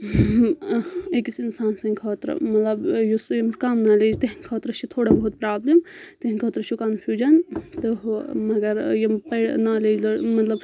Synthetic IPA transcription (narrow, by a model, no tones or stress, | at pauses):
ekisinsaːnsɐ̃ŋkʰɐːt̪ɾə̰mɐt̪lɐbjusjɐmskaːmnaːleːd͡ʒt̪eɦinkʰɐːt̪ɾət͡ʃʰit̪ʰoːɽabɐɦut̪̚pɾaːblimt̪eɦinʲkʰɐːt̪ɾət͡ʃʰukaːmpʰʲjuːd͡ʒɐnt̪ɨɦmɐɡɐɾjɐmpɐɽnaːleːd͡ʒlɐmɐt̪lɐb